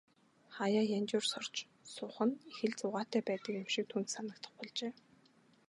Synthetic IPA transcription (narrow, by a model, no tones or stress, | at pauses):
χajaːjant͡ɕʊːrsɔr̥t͡ɕ | sʊːχə̆nexɘ̆ɮt͡sʊːʁaːt̪æːpæːt̪ə̆kjʊmʃik̚t̪ʰuːn̥t̪sanə̆k̚t̪ə̆χpɔɮt͡ɕeː